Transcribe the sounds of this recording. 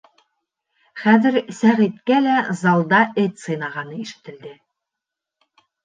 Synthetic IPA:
χæðɘ̆ɾsæʁit̪kælæzɑlˠd̪ɑʔɘt̪ʲsɤ̆jnɑʁɑnɤiʃɘ̥̆t̪ɘ̆ld̪ɘ

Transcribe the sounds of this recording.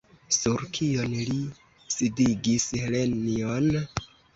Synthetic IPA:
suɾkʰio̞nli | sidiɡishelenion

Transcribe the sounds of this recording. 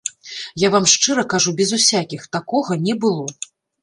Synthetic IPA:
javamʂt͡ʂɨɾɐkaʐubʲɛzusʲakʲixt̪akɔɣɐnʲɛbɨlˠɔ

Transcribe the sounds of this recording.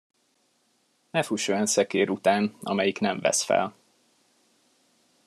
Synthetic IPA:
nɛfuʃojɒnsɛkeːɾut̪aːnɒ̰mɛjiknɛɱvɛ̰sfɛ̰l

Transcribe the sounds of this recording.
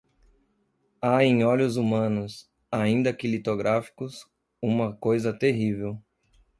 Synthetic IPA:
aẽj̃ɔlʊzumɐ̃nʊs | aĩnd̪ɐkɪlit̪oɡɾʔafi̥kʊs | ũmɐkojzɐt̪eɦivew

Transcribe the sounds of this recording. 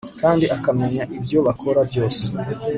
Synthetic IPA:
kaːndiʔakameɲaʔibjo̞βakʰo̞ɾabjo̞ːse

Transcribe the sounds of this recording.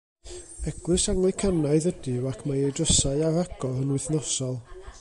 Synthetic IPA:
ɛɡ̥lˠɨsaŋlˠɨkʰanaɨðədɪwakʰmajejdrəsaɨaɾaɡ̥ɔðənwɨθnɔsɔlˠ

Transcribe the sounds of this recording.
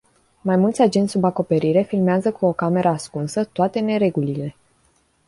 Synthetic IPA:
majmult̪sʲad͡ʒe̞nt̪ʲsubako̞pe̞ɾiɾe̞filmeazəkuo̞kame̞ɾʔəaskunsət̪oat̪e̞ne̞ɾe̞ɡulile̞

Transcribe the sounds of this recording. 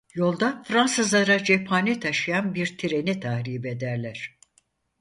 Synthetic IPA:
jo̞lˠd̪afɾansɯzlˠaɾad͡ʒepʰaːnit̪ʰaʃɯjanbiɾt̪ʰiɾe̞nit̪ʰahɾiːbe̞d̪æɾlʲæɾ̥

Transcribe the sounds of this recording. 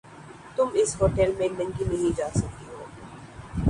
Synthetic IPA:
t̪ʊmɪsɦoːʈɛlmẽnɐ̃ŋɡinɐɦĩd͡ʒaːsɐk̚t̪iɦoː

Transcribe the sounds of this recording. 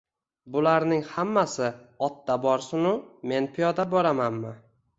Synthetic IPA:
bʊlaɾnɪŋhamːasɪɒt̪ːabɒɾsʊnʊme̞npʰijɒd̪abɒɾamanmɪ

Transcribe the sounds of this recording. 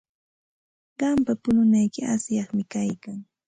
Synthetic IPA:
ɢɑmpapʊnʊnajkɪasjɑχmɪkajkaŋ

